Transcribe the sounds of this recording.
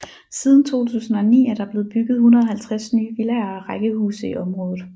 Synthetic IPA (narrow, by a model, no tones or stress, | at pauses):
siːð̞ˠn̩t͡sʰo̝̰ːt͡sʰṵːsn̩ɒnḭːæɐɾ̥ɑ̈b̥le̝ːð̞̩ˠb̥yɡ̥ð̩ˠhunʁɐð̩ˠhælt͡sʰʁasnyːʋilæɐʁaɡ̥əhṵːsəiʔɒ̽mʁɔ̽ːðˠð̩ˠ